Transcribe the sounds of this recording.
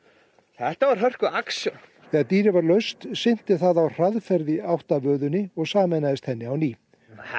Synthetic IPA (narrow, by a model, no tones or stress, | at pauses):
θɛht̪avaɾ̥ɦœr̥kʏaksjɔ | θɛːɣaðt̪iːɾɪvaɾlœɥst̪sɪn̥t̪ɪθaðawr̥aðfɛɾðɪawht̪avœːðʏnːɪɔɣsaːmɛjnaðɪst̪hɛnːɪawniː